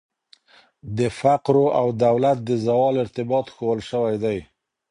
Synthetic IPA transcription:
d̪əfaqɾoʔawd̪awlat̪̚d̪əzawɑlɪɾt̪ɪbɑt̪xowəlʃəwajd̪aj

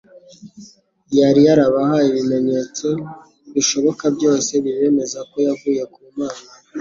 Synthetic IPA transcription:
jaɾijaɾaβahaiβime̞ɲe̞t͡so̞ | βiʃo̞βo̞kabjo̞ːse̞βiβe̞me̞zako̞javuːje̞kuːmaːna

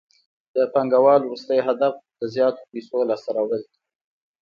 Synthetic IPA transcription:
d̪əpaŋɡawɑlwɾust̪əjɦad̪afd̪̥əzjɑt̪o̥pesolɑsaɾawəli

